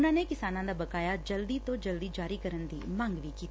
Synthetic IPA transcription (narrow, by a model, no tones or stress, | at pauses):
ʊnãːneːkɪsaːnãd̪aːbəkaːjaːd͡ʒəld̪iːt̪õːd͡ʒəld̪iːd͡ʒaːɾiːkəɾənd̪ḭːmə̃ŋɡʋiːkiːt̪ː